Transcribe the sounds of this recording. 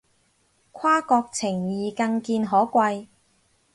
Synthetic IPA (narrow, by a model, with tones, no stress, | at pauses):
kʷʰwaː˥kɔː˧k̚t͡sʰɪ˨˩ŋjiː˨kɐ˧ŋkiː˧nɦɔː˨˥kʷɐ˧j